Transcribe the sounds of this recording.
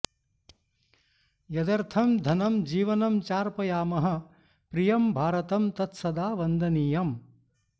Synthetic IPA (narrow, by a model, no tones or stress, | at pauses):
jɐd̪ɐɾt̪ʰɐmd̪ʱɐnɐmd͡ʒiːʋɐnɐmt͡ʃaːɾpɐjaːmɐɦɐ̆ | pɾijɐmbʱaːɾɐt̪ɐmt̪ɐt̪sɐd̪aːʋɐnd̪ʱɐniːjɐm